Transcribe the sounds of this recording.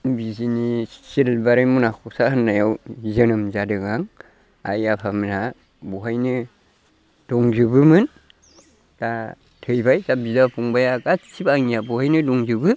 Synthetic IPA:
bizinisilbaɾejmunakʰusahɯnːajawzɯnɯmzadɯɡaŋ | a̰japʰamna | buɦajnɯ | d̥ɔŋzɯbɯmɯn | d̥a | tʰɯjbajzabizapʰuŋbajaɡasibaŋijabuhajnɯdɔŋzɯbɯ

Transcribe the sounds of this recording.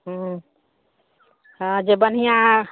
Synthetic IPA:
ɦɦ | hãd͡ʒebən̤ijã

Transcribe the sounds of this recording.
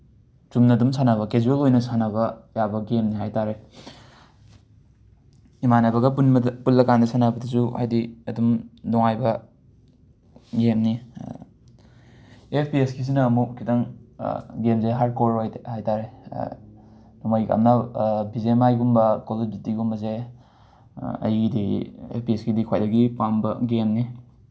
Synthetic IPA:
t͡ʃumnɐːdumsʰanaβɐkezuɾelojnɐsanabɐjabɐɡemniɦajtaɾe | imanabɐɡɐunpulːɐkandɐsanabɐdɐsuha̰jdiɐdumdɔŋajbɐ | ɡemni | epʰpiesɡis̬inɐːmuk̚kːitɐŋ | ɡemzeɦaɾd̚koɾojhajtaɾe | dumajka̰mnɐbizemajɡumbɐkoloditiɡumbɐze | ɐ̰jɡidiḛpʰpiesɡidikʰwajdɐɡipambɐɡemni

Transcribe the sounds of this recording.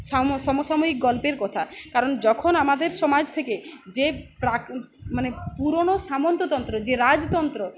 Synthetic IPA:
samsɔmosamuɦik̚ɡɔlpeɾkɔt̪ʰakaɾɔnd͡ʒɔkʰonamad̪eɾsɔmad͡ʒt̪ʰeked͡ʒepɾa | manepuɾoɽ̃osamɔnt̪ot̪ɔnt̪ɾod͡ʒeɾad͡ʒt̪ɔnt̪ɾo

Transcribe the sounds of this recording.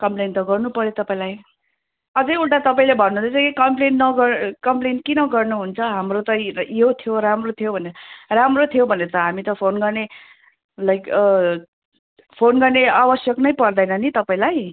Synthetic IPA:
kʌmplent̪ʌɡʌrnupʌɾjet̪ʌpãĩlaj | ʌd͡zʌjulʈat̪ʌpaĩlebʱʌnːund̪t͡sʌkikʌmplennʌɡʌkʌmplenʈkinʌɡʌrnuɦunt͡sʰʌɦamrot̪ʌjot̪ʰijoɾamrot̪ʰijobʱʌneʌramrot̪ʰijobʱʌneɾʌt̪ʌɦamit̪ʌpʰonɡʌrne | lʌjk | pʰonɡʌrneabʌsjʌknʌjpʌrd̪ʌjnʌnit̪ʌpaĩlaj

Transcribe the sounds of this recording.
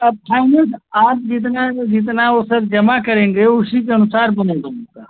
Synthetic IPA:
pʰaːɪnəlsaːp̚d͡ʒɪt̪̬nãd͡ʒɪt̪̬nãosɐɾd͡ʒɐmakɐɾẽːŋɡ̪euʃikɐnʊsaːɾbɐnẽːd̪omũk̪aː

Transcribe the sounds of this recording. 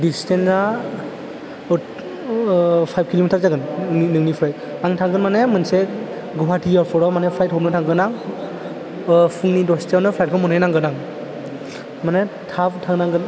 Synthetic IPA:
distʰensa | pʰajb̚kʰilomitʰaɾzaɡɯninɯŋnipʰɾaj | aŋtʰaŋɡɯnmanemɯnse | ɡɔwatʰijaɾpʰɔɾɔmanepʰɾajt̚ɦɔnɯtʰaŋɡɯnaŋ | pʰɯŋnidɔstenɯpʰɾajt̚kʰɯmɔnhajnaŋɡɯnaŋ | manetʰabtʰaŋnaŋɡɯn

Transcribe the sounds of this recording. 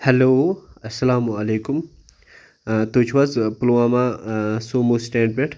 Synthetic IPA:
hɐloːɐsːɐlaːmuɐleːkum | t̪ot͡ʃʰʋɐzpuluwãːmãsoːmussʈẽːɳɖ̚beʈʰ

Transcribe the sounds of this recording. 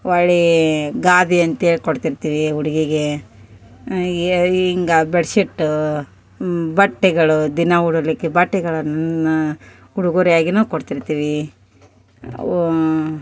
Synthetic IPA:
ʋɐɭiɡaːd̪iɐnt̪ɐeɭkoɽt̪iɾt̪iːʋiuɽiɡiɡe | iŋɡɐbeɽsiʈːu | bɐʈːɛɡɐɭud̪inɐuɽulikːebɐʈːɛɡɐɭɐnnn | uɽuɡuɾijaːɡinuːkoɽt̪iɾt̪iːʋi

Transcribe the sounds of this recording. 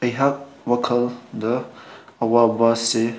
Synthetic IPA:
ɐjɦak̚wɐkʰəld̪ɐɐwabase

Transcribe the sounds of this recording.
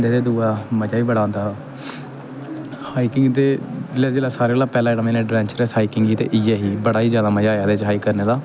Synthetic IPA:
nd̪eːd̪eːd̪uːaːməd͡ʒaːiːbəɽãːnd̪aː | haːiːkɪŋɡt̪eːd͡ʒɪlaːd͡ʒeːlaːsaːɾeːolaːpɛːlaːɛːɽaːmẽːnẽːɖɾɛ̃ːɲt͡ʃəɾɛsɦaːiːkɪŋɡiːt̪ḛːʔɪjɛːɦiːbəɽaːiːd͡ʒjaːd̪aːməd͡ʒaːjaːd̪eːt͡ʃɦaːikəɾneːd̪aː

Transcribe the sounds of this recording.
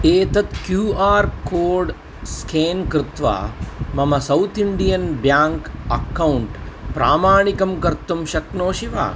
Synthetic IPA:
eːt̪ɐt̪kjuːaːɾkoːɾɖ | skʰeːnkɾɪt̪ʋa̰ːmɐmɐsɐwt̪ʰiɳɖijɐnbjaːŋkɐkːɐwuɳʈpɾaːmaːɳikɐmkɐɾt̪ːumʃɐknoːʃiʋa̰ː

